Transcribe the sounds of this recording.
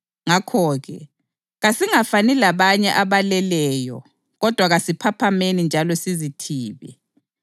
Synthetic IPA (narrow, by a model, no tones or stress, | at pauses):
ŋakʰɔːɣɛ̰ | ɣasiŋafanilaβaɲɛʔaβalɛlɛːjɔ̰ | ɣɔd̥ʱwaɣasipʰapʰamenind͡ʒʱalɔsizitʰiːβɛ̰